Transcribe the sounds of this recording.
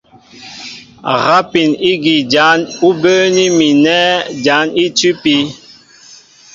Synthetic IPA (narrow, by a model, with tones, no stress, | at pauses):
ɣa˦pi˨ni˦ɡi˨d͡ʒa˨˦nu˦bəː˦ni˦mi˨nɛː˦d͡ʒa˨˦ni˦ti˦pi˦